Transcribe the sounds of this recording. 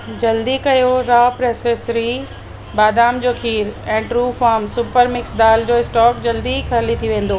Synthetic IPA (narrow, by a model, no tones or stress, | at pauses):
d͡ʑɐld̪ikɐjoɾaːpɾɛːseːsɾi | baːd̪aːmd͡ʑoːkʰiːɾɛ̃ːʈɾuːfaːmsʊpəɾmɪksd̪aːld͡ʑoːɪsʈɔːkd͡ʑɐld̪ikʰɐːlit̪ʰiʋẽːn̆d̪oː